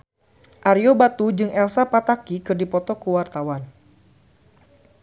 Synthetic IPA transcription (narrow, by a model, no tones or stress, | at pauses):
ʔaɾjobat̪ud͡ʒɨŋɛlsapat̪akikɨrdipɔt̪ɔkuwart̪awan